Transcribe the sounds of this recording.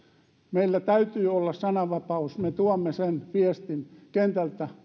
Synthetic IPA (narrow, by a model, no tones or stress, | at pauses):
meilːæt̪æyt̪yːolːɑssɑnɑʋɑpɑusmet̪uomːesenʋiest̪inkent̪ælt̪æ